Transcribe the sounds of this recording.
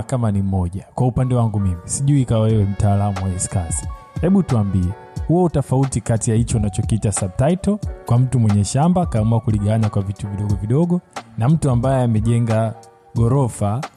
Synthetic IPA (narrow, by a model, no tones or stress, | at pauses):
kamanim̩ɔʄakwaupandɛwaŋɡumimisiʄuikaɛwɛm̩taːlamuwaɛskasi̥ | hɛɓutuambiɛ | huautɔfautikatijahit͡ʃɔunat͡ʃɔkiitasab̚taitɔkwam̩tumwɛɲɛʃambakaːmuakuliɠaanakwavituviɗɔɡɔviɗɔɠɔnam̩tuambajɛamɛʄɛŋɡa | ɡɔɾɔfa